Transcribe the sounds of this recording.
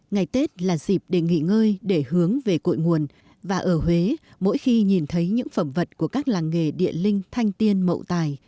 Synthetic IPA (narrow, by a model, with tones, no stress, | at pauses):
ŋa˨˩jt̪e˦˥t̚laː˨˩zi˨˩p̚ɗe˧˩ŋḭ˧˨ŋəː˧jɗe˧˩hɨ˨˦əŋve˨˩ko̰˧˨jŋu˨˩ən | vaː˨˩ʔəː˧˩ɦwe˨˦mo̰˧˥jxi˧ɲi˨˩nt̪ʰə˨˦jɲɨ̰˧˥ŋfə˧˩mvə˨˩t̚ku˧˩əkaː˦˥k̚laː˨˩ŋːḛ˧˨ɗḭ˧˨əlï˧ŋ̟t̪ʰa˧jŋ̟t̪i˧ənmə̰˧˨wt̪aː˨˩j